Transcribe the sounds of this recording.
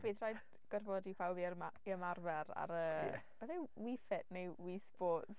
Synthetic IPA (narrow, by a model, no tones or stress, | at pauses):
b̥iðrajd | ɡ̥ɔrvɔdipʰawbiɾmaiəmarvɛɾa̰ɾəːb̥əðɛwifɛtnejwiːsb̥oːts